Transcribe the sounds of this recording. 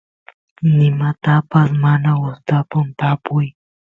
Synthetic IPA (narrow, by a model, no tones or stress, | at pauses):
nɪmat̪apasmanaʊst̪apʊnt̪apʊj